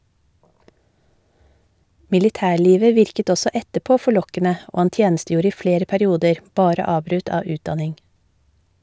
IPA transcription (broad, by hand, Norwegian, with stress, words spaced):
mɪlɪˈtæːˌɭiːʋə ˈʋɪɾkət ˈɔsɔ ˈɛtəəˌpoː fɔˈɭɔkənə ˈʔoː ˈhɑn ˈtjeːn̩ˌstjuːɾə ˈiː ˈfɽeːɾə pæɾɪˈuːdəɾ ˈbɑːɾə ˈɑːbɾʉt ˈɑː ˈʉːtˌdɑnɪŋ